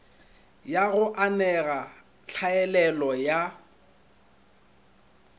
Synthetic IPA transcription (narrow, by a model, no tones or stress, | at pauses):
jaɣʊʔanɛɣa | ɬʰaɛlɛlɔja